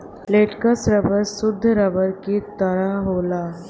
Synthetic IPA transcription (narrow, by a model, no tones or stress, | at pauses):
leʈkəsɾəbəɾsʊd̪ʱːɾəbəɾkit̪əɾaɦola